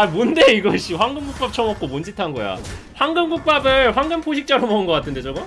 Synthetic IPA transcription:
amundeiɡʌɕʰiɸwaŋɡɯmɡuk̚p͈ap̚t͡ɕʰʌmʌk͈omond͡ʑitʰanɡʌja̰ɸwaŋɡɯmɡuk̚p͈abɯɭɸwaŋɡɯmpʰoɕ̬ʰik̚t͡ɕ͈aɾomʌɯnɡʌk͈atʰɯndet͡ɕʌɡɯ

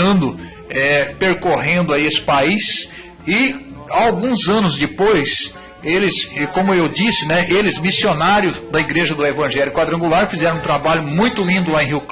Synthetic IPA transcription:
ɐ̃nd̪ʊ | ɛpeɾkoɦẽnd̪ʊaiesɪ̥pais | ɪ | awɡũzɐ̃nʊzd͡ʒɪpojs | elɪskõmʊewd͡ʒisɪnɛʔelɪzmisionaɾjʊd̪ɐiɡɾeʒɐd̪ʊevɐ̃ʒɛljʊkwad̪ɾɐ̃ŋɡulaɾfizɛɾɐ̃t̪ɾabaʎʊmũj̃t̪ʊlĩnd̪ʊlaẽɦiwk

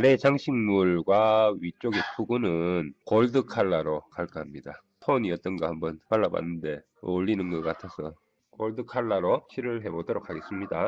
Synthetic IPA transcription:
ɾe̞t͡ɕaŋɕʰiŋmuɭɡwaɥit͡ɕ͈oɡepʰuɡunɯnkoɭdɯkʰaɭːaɾokaɭk͈aɦamɲida | tʰoɲiʌt͈ʌnɡahambʌnpaɭːaba̰nːɯnde̞ | oʎːinɯnɡʌk͈atʰʌsʰʌ | koɭdɯkʰaɭːaɾot͡ɕʰiɾɯɭɦe̞bodʌɾokʰaɡe̞s͈ɯmɲida

